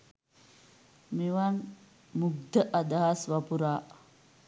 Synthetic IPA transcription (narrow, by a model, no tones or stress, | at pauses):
miʋan | muɡ̚d̪əʔad̪aɦasʋapuɾaː